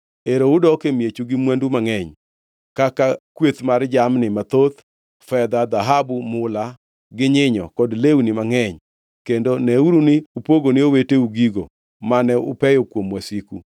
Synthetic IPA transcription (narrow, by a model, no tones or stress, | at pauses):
eɾoudɔkemjet͡ʃuɡɪmwandumaŋɛɲ | kakakwet̪mard͡ʒamnɪmat̪ot̪ | fɛd̪ad̪aɦabumʊla | ɡɪɲɪɲɔ̰kɔdlewnɪmaŋɛɲ | kendonɛuɾunɪupoɡonɪoweteuɡiɡo̰ | manɛʊ̰pɛjokwomwasikṵ